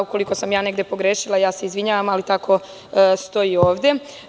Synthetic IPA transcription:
uko̞liko̞samjaːne̞ɡd̪epo̞ɡɾeʃilajaːse̞izʋiɲaːʋamalit̪akʰo̞ | st̪o̞jio̞ːʋd̪je̞

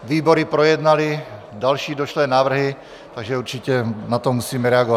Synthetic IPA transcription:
ʋiːbɔɾipɾɔjɛd̪nali | d̪alʃiːd̪ɔʃlɛːnaːʋr̩ɦi | t̪aɡʒɛuɾt͡ʃicɛnat̪ɔmusiːmɛɾɛaɡɔʋa

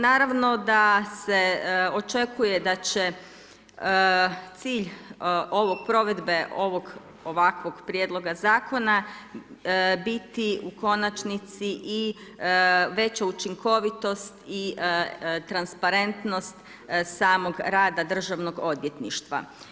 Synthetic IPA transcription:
naːɾaʋno̞d̪aseo̞t͡ʃe̞kuje̞d̪at͡ɕe̞ | ət̪siːʎo̞ʋo̞ɡ̚pɾo̞ʋe̞d̪be̞ʔo̞ʋo̞ɡ | o̞ʋakʋo̞ɡpɾjed̪lˠo̞ɡazaːko̞na | bit̪iuko̞nat͡ʃnit̪siʔi | ʋe̞t͡ɕaut͡ʃiŋkʰo̞ʋit̪o̞st̪i | t̪ɾanspaɾe̞nt̪no̞st̪ | saːmo̞ɡɾaːd̪ad̪r̩ʒaʋno̞ɡo̞d̪ʋje̞t̪nḭʃt̪ʋa̰

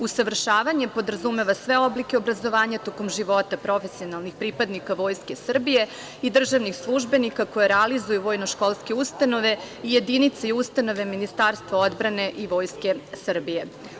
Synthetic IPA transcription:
usaʋr̩ʃaːʋaɲe̞po̞d̪ɾazume̞ʋasʋe̞o̞blike̞obɾazo̞ʋaːɲat̪o̞ko̞mʒiʋo̞t̪apɾo̞fe̞sio̞nalˠnixpɾipad̪nikaʋo̞ːjske̞sr̩bije̞ | id̪r̩ʒaʋnixslˠuʒbe̞nikako̞jeɾɛalizujuʋo̞jno̞ʃko̞lˠske̞ust̪ano̞ʋe̞ | ije̞d̪init̪saiust̪ano̞ʋe̞minist̪aɾst̪ʋao̞d̪bɾane̞ʔiʋo̞ːjske̞sr̩bije̞

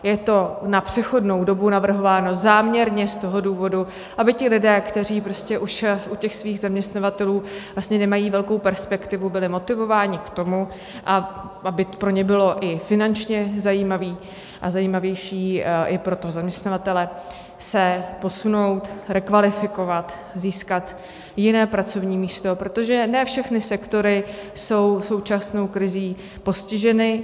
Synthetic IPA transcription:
jɛt̪o̞napr̝̥ɛxo̞dno̞wdo̞bunavr̩ɦo̞vaːno̞zaːmɲɛɾɲɛst̪o̞ɦo̞duːvo̞du | ʔabɪcɪlɪdɛːkt̪ɛriːpɾo̞scɛʔuʃʔucɛxsviːɣzamɲɛst̪navat̪ɛluːvlast̪ɲɛnɛmajiːvɛlko̞wpɛɾspɛkt̪ɪvubɪlɪmo̞t̪ɪvo̞vaːɲɪkt̪o̞mu | ʔa | ʔabɪpɾo̞ɲɛbɪlo̞ʔɪfɪnant͡ʃɲɛzajiːmaviː | ʔa̰zajiːmavjɛjʃiːʔɪpɾo̞t̪ozamɲɛst̪navat̪ɛlɛ | sɛpo̞suno̞wt̪ɾɛkvalɪfɪko̞vat̪ | ziːskat̪ | jɪnɛːpɾat͡so̞vɲiːmiːst̪o̞pɾo̞t̪o̞ʒɛnɛːfʃɛxnɪsɛkt̪o̞ɾɪso̞wso̞wt͡ʃasno̞wkɾɪziː | po̞scɪʒɛnɪ

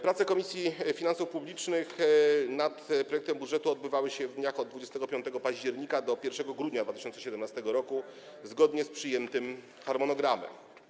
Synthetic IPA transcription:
pɾat̪sɛkɔmʲisʲjifʲinansufpublʲit͡ʂnɘxnat̪p̚ɾɔjɛkt̪ɛmbudʐɛt̪uɔd̪̚bɘvawɘɕɛvd̪ɲaxɔd̪̚d̪vud͡ʑɛst̪ɛɡɔpʲjɔnt̪ɛɡɔpaʑd͡ʑɛɾɲikad̪ɔpʲjɛɾfʂɛɡɔɡɾud̪ɲad̪vat̪ɘ̥ɪɕɔnsɛɕɛd̪ɛmnast̪ɛɡɔɾɔku | zɡɔd̪ɲɛspʂɘjɛnt̪ɘm | xaɾmɔnɔɡɾamɛ̰m

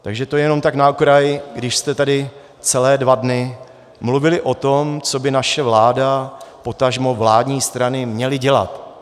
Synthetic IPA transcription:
t̪aɡʒɛt̪ojɛno̞mt̪aknaokɾajɪɡdɪʃst̪ɛt̪adɪ | t͡sɛlɛːdvadnɪ | mluvɪlɪʔo̞t̪omt͡so̞bɪnaʃɛvlaːdapo̞t̪aʒmo̞vlaːdɲiːst̪ɾanɪmɲɛlɪɟɛla̰t̪

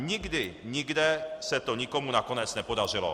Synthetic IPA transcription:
ɲiɡd̪iɲiɡd̪ɛsɛt̪oɲikɔmunakɔɲɛt͡snɛpod̪aʒilɔ̰

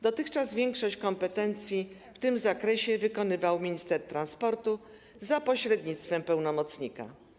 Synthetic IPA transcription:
d̪ɔt̪ɘxt͡ʂazvʲjɛŋkʂɔɕt͡ɕkɔmpɛt̪ɛnt̪sʲjift̪ɘmzakɾɛɕɛvɘkɔnɘvawmʲiɲist̪ɛɾt̪ɾanspɔɾt̪u | zapɔɕɾɛd̪ɲit̪st̪fɛmpɛwnɔmɔt̪sɲika̰

